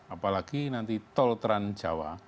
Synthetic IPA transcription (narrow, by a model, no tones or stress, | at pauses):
apalaɡ̥inant̪it̪ɔlt̪ɾan̥d͡ʒ̥awa̰